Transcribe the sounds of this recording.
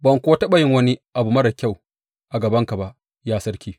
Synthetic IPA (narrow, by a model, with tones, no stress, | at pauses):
bɐ˨ŋkʷoː˦tɐ˦ɓɐ˨jɪ˦ŋwɐ˦ni˦ʔa˨bu˨mɐ˦ɽɐ˨kʲa˦˨w | ʔa˨ɡɐ˨bɐ˦ŋka˨ba˨ʔ | jaː˦sɐ˦rkʲiː˦